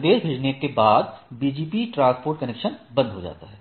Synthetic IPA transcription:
d̪eːʃbʱeːd͡ʒnekebaːd̪̚biːd͡ʒiːpiʈɾãːspoːɾʈ̚kɐnɛːkʃənbɐ̃nd̪ʱɦod͡ʒa̰ːt̪aɦɛː

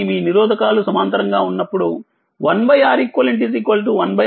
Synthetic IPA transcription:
miːniɾɔːd̪ʱɐkaːlusɐmɐnt̪ɐɾɐŋɡaːunːɐpːuɽu | ʋɐnbɐjaːɾikːʋɐliɳʈ̬is̬ikoːlʈuʋɐnbɐ

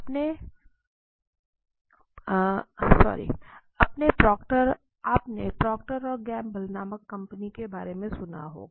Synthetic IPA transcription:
ɐpne | sɔ̰ːɾḭ | ɐpnepɾɔːkʈəɾ | aːpnepɾɔːk̚ʈəɾɔːɾɡɛːmbɐlnaːməkːɐ̃mpənikebaːɾemẽsʊna̰ɦo̰ː

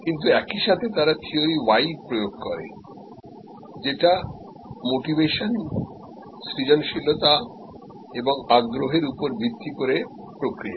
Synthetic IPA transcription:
kint̪̬uɛkiʃat̪ʰet̪aɾat̪ʰioɾiwajpɾojoɡ̚kɔɾḛ | d͡ʑeʈa | moʈibeʃon | sɾid͡ʑonʃilot̪a | eboŋaɡɾoɦeɾupoɾbʱid̪ʱːikoɾe | pɾokɾija

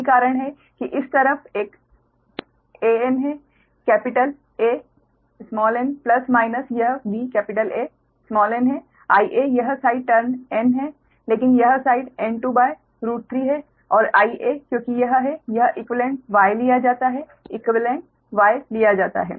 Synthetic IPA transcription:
ikaːɾəɽ̃ɦɛ | kiʔɪst̪ɐɾəfʰeːk | eːɛnɦɛ | kɛːpɪʈəl | eː | smɔːlɛːnplɐsmaːɪnəsjɐɦbiːkɛːpɪʈəleː | smɔːlɛ̃nɦɛ | aːiʔejɐɦsaːɪɖ̚ʈɐɾnɛnɦɛ | leːkɪnjɐɦsaːɪɖɛ̃nʈuːbaːe | ɾuːʈ̚t̪ʰɾiːɦɛ | ɔːɾaːiʔeːkjõːkijɐɦɦɛjɐɦʔɪkʋlẽɳʈʋaːelijad͡ʒaːt̪aɦɛ | ɪkʋəlẽɳʈ̚ | ʋaːelijad͡ʒaːt̪a̰ɦɛ̰ː

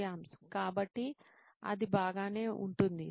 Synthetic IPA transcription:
jaːmsɐ̥mkaːbɐʈːi | ɐ̰d̪ibaːɡaːne̞ːʔuɳʈund̪i

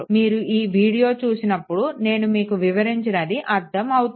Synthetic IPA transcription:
miːɾuʔiːʋiːɽijo̞ːt͡ʃuːsinɐpːuɽune̞ːnumiːkuʋiʋɐɾiɲt͡ʃɐnɐd̪iʔɐɾd̪ɐmɐwut̪

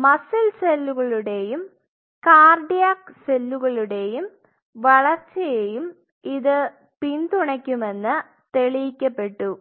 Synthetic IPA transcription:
mɐsɐlselːuɣɐɭuɽe̞jum | kaːrɖijaːkse̞lːuɣɐɭuɽe̞jum | ʋɐɭɐrt͡ɕːɐjejum | iðɨ | pind̪uɳɐkʲːume̞nːɨ | t̪eɭijikʲːɐpːe̞ʈːu

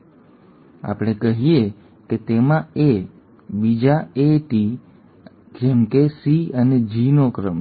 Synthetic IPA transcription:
a̰pɽ̃ekəɦije | ket̪emãe | bid͡ʒaeʈi | ɡemkesiəned͡ʒinokɾəm

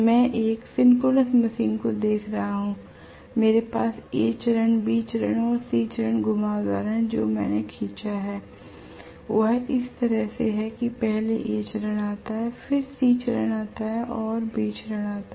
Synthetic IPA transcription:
mɛ̃ːʔeːkfɪnkoːləsmɐʃiːnkod̪eːkʰɾɐɦaɦũː | meːɾepaːseːt͡ʃɾəɳ̃biːt͡ʃɾə̰ɳɔːɾsiːt͡ʃɾəɳɡʊmaːza̰ːɾɦɛ̃d͡ʒoːmɛ̰̃ːnekʰiːt͡ʃaɦɛː | ʋɐɦɪst̪ɐɾəɦseɦɛkipɛɦleʔeːt͡ʃɾəɽaːt̪aɦɛfʰɪɾsiːt͡ʃɾə̰ɽ̃aːt̪aɦɛʔɔːɾbiːt͡ʃɾəɽ̃aːt̪a

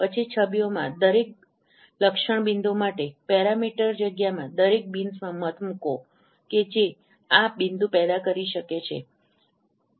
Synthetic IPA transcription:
pət͡ʃʰit͡ʃʰəbjomã̰d̪əɾek̚ | ləkʃəɳ̃bind̪omaʈepɛɾamiʈəɾd͡ʒəɡjamãd̪əɾek̚binsmãmət̪mũko | ked͡ʒe | abind̪ũpɛd̪akəɾiʃəket͡ʃʰḛ

